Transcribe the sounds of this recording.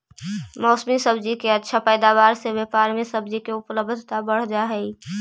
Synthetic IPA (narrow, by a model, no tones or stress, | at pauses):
mɔːsmisəbd͡ʒikeɐtːʃʰapəːd̪aːʋaːɾseʋepaːɾmesəbd͡ʒikeʊpləbd̪ʱt̪abəɽ̤d͡ʒaɦɛi